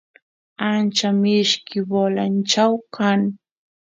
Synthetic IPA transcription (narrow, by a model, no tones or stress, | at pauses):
ant͡ʃamɪʃkɪwolant͡ʃawkaŋ